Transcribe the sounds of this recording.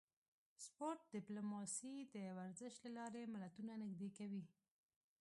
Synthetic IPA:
spoɾʈ̚ɖɪplomɑsid̪əwaɾzəʃlalɑɾemɪlat̪unanɪɡd̪ekawi

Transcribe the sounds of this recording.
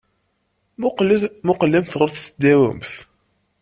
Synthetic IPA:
mʊqlːimθʁəɾθsəd̪æwə̰mθ

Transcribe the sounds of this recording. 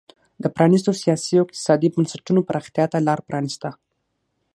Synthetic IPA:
d̪əpɾɑnist̪osijɑsioɪq̚t̪ɪ̥sɑd̪ibənsaʈunopəɾʔɑxt̪jɑt̪alɑɾpɾʔɑnist̪a

